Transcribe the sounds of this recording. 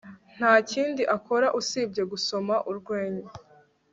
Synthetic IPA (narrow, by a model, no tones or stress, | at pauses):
n̥haːciːndiʔako̞ɾaʔusiːb̚ɟe̞ɡuso̞maʔuɾɡwe̞ːɲe